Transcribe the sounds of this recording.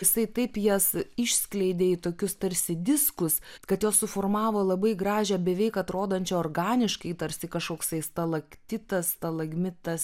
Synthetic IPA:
jɪsɐɪt̪ɐɪpjɛsɪʃʲsʲklʲɛɪd̪ʲeːit̪oːkʲʊst̪ɐɾʲsʲɪd̪ʲɪskʊskɐt̪joːssʊfoːrmɑːʋoːlˠɐbɐɪɡɾɑːʒʲɛːbʲɛʋʲɛɪkɐt̪ɾoːd̪ɐːnʲt͡ʃʲɛoːrɡɑːnʲɪʃkɐɪt̪ɐɾʲsʲɪkɐʃkoːksɐɪst̪ɐlˠɐkt̪ʲɪt̪ɐst̪ɐlˠɐɡmʲɪt̪ɐs

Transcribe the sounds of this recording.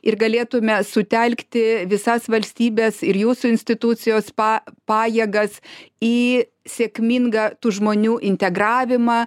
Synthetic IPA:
ɪrɡɐlʲeːt̪ʊmʲɛsʊt̪ʲɛlʲkt̪ʲɪʋʲɪsɐsʋɐlʲsʲt̪ʲiːbʲɛːsɪɾjuːsʊɪnʲsʲt̪ʲɪt̪ʊt͡s̪ʲɪjoːspɑpɑːjeːɡɐsiː | sʲeːkmʲiŋɡɑːt̪uːʒmoːnʲuːʔɪnʲt̪ʲɛɡrɑːʋʲɪmɑː

